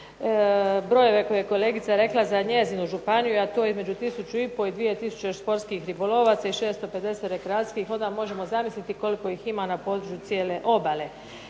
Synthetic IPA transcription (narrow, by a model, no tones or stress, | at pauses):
bɾo̞je̞ʋe̞kojejeko̞le̞ɡit̪saɾe̞klazaɲe̞zinuʒupanijuat̪oːizme̞d͡ʑut̪isut͡ʃuipo̞id̪ʋije̞t̪isu̥t͡ɕeʃspo̞ɾtskixɾibolo̞ʋat̪saiʃe̞ːst̪o̞pe̞d̪e̞set̪ɾekɾaat̪skixo̞nd̪amo̞ʒe̞mo̞zamislit̪iko̞liko̞iːximanapo̞d̪ɾut͡ʃut̪sjeːle̞ʔo̞bale̞